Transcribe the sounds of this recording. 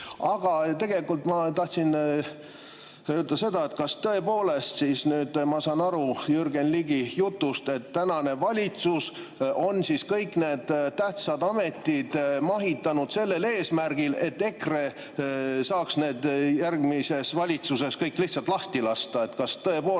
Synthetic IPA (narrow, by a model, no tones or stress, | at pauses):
ɑɡ̥ɑt̪e̞ɡ̥e̞likːˑult̪mɑt̪ɑht̪sin | øːld̪ɑse̞d̪̥ɑe̞t̪kɑst̪ɤe̞po̞ːle̞st̪sisnyːd̪̥mɑsɑːnɑɾujyrɡ̥enliɡijut̪ːˑust̪e̞t̪ːænɑne̞vɑlʲit̪sus | o̞nsiskɤjkːˑne̞ːd̪̥t̪æht̪sɑd̪ɑme̞t̪ːˑid̪̥mɑɦit̪ːˑɑnud̪̥se̞lːe̞le̞ːsmærɡ̥ile̞t̪ːe̞kre | sɑːksne̞ːd̪̥jærɡmise̞svɑlʲit̪suse̞skɤjkːˑlihtsɑlt̪ˑlɑht̪ilɑst̪ɑe̞t̪kɑst̪ɤe̞poː